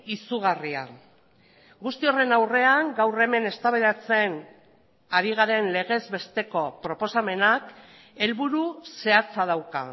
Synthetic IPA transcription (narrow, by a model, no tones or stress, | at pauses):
isuɣ̞aria̰ | ɡust̪io̞re̞nawre̞aŋɡawre̞me̞ne̞st̪aβeðat͡se̞n | aɾiɣ̞aɾe̞nle̞ɣ̞e̞zβe̞st̪e̞ko̞pɾo̞po̞same̞nak | e̞lβuɾuse̞at͡sað̞awka̰